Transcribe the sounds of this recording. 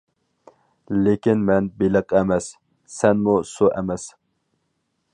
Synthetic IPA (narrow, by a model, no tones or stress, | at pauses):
lekʲinmɛnbelɨqʰɛmɛsː | ɛnmusuʔɛmɛs